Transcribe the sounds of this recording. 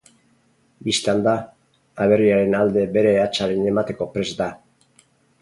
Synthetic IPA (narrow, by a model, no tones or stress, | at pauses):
bist̪eand̪aː | β̞e̞riaɾe̞nald̪e̞be̞ɾe̞at͡ʃaɾe̞ne̞mat̪e̞ko̞pɾe̞zd̪a